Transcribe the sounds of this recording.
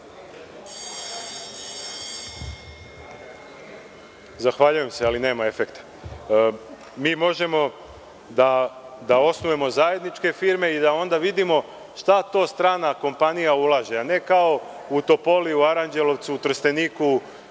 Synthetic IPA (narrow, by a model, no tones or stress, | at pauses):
zaxʋaʎuje̞msealine̞ːmae̞fe̞kt̪ḁ | miːmo̞ʒe̞mo̞ | d̪ad̪ao̞snuje̞mo̞zaje̞d̪nit͡ʃke̞fiɾme̞id̪ao̞nd̪aʋid̪imo̞ | ʃt̪at̪o̞ːst̪ɾaːnako̞mpanijaulˠaːʒeane̞kao̞ | ut̪o̞po̞liuaɾand͡ʒe̞lo̞ʋt̪suːt̪r̩st̪e̞niːku